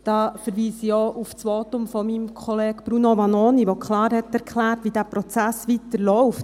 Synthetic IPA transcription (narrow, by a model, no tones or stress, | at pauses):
d̥ɑːfəɾʋiːsijoːʔuft͡sʋoːtʊmfɔmimkʰɔleːɡ̥b̥ɾunoʋɑnoːniʋokχlɑːɾhɛtːɛɾkʰχlæːɾtʋidæːpɾɔt͡sæsʋitəɾlɔʊft